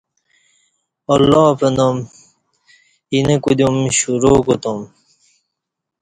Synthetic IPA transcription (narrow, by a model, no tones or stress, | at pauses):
ɐlːɑːpenom | inekud̪jumɕuɾoːkut̪om